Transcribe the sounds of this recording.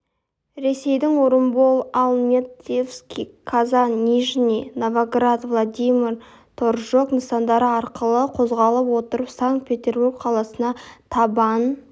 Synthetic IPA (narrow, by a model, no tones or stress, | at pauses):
ɾe̞se̞jd̪ɪŋwoɾəmbo̞lˠalˠnʲet̪efskʲikʰazannʲiʒnʲinovaɡrat̪vlˠad̪ʲijmʲir | t̪ʰo̞ɾʒoknəsɑnd̪ɑɾəɑɾqəlˠəqʰo̞zʁɑlˠəpwo̞t̪əɾəpsaŋkt̪̚pʰʲe̞t̪ʲe̞rburkqʰɑlˠɑsənɑt̪ʰɑbɑn